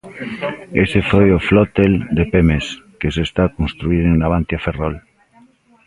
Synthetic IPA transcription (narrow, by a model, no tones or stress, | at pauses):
esefojoflot̪eld̪epemeskesest̪akonst̪ɾuiɾeŋnaβ̞ant̪jaferol